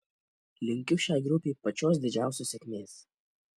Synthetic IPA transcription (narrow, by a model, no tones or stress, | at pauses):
lʲɪŋʲkʲʊʃʲæˑɪɡɾʊpʲeːpɐt͡ʃʲoːs̬d̪ʲɪd͡ʒʲæˑʊsʲoːsʲɛkʲmʲeːs